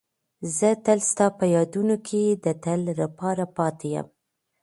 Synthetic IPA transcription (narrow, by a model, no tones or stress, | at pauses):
zət̪əlst̪ɑpəjɑd̪unokʰed̪ət̪əlːapɑɾapɑt̪ʰejə̰m